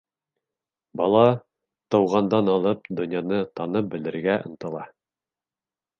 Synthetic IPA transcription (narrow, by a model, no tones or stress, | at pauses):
bɑlˠɑ | t̪ɤ̆wʁɑnd̪ɑnɑlˠɤp̚d̪ŏnjɑnɤt̪ɑnɤp̚bɘ̆lɘ̆ɾɡæʔɤ̰̆nt̪ɤ̆lˠɑ